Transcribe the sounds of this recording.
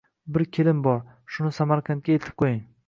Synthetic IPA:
bɪɾkʲʰelɪmbɒɾ | ʃʊnɪsamaɾkʰant̪̚kʲajet̪ʰɪ̥p̚qʰojɪŋ

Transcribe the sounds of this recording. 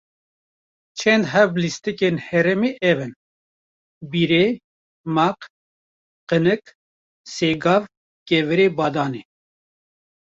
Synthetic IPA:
t͡ʃʰɛnd̪ɦɛblist̪ɨkenhɛɾɛmeːʔɛvɨn | biɾe | maq | qənɨk | seːɡɑːv | kɛvɨɾeːbɑːd̪ɑːne

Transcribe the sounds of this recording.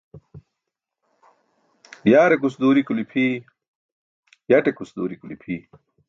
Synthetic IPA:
bjaːɾekusd̪uːɾikulipʰi | jɐʈekusd̪uːɾikulḭpʰi

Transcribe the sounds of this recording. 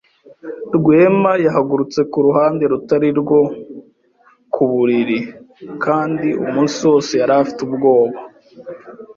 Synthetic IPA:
ɾɡwe̞ːmajaɦaɡuɾut͡se̞kuɾuɦaːnde̞ɾutaɾiɾɡwo̞ | kʰuβuɾiɾi | kaːndiṵmuːnsijo̞ːse̞jaɾafi̥tubɡo̞ːβa

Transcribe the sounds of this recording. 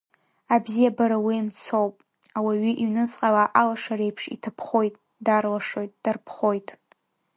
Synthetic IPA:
abzijabaɾawiimt͡sʰo̞wpʼ | awaɥiʔiɥnɨt͡sʼqʼalaʔalaʂaɾe̞jpʰʂḭtʰapʰχo̞jtʼ | darlaʂo̞jtʼd̥arpʰχo̞jtʼ

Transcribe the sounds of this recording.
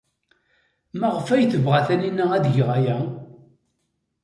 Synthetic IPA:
məʁəfæjθəvʁaθæninːəæðʝʁajæ

